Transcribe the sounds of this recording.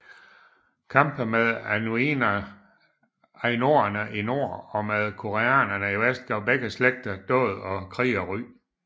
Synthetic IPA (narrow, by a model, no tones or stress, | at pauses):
kʰɑ̈mb̥əmeðˠænuin | æno̝ːɐnəʔino̝̰ɐ̰ɒ̽með̞ˠkʰo̝ʁeæ̰ːnɐnəiʋesd̥̚ɡ̥ɑʊb̥eɡ̥əsleɡ̥̚d̥ɐd̥ɔ̰̽ːð̩ˠɒ̽kʰʁḭːɒʁy̰ː